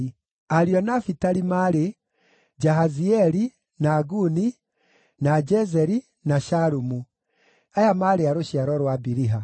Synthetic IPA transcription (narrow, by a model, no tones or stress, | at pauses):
aɾiɔnafitaɾimaɾe | d͡ʒaɦaziɛɾi | naːɡuni | nad͡ʒɛzɛɾi | naʃaɾumu | ajamaɾeaɾoɕiaɾɔɾwabiɾiɦa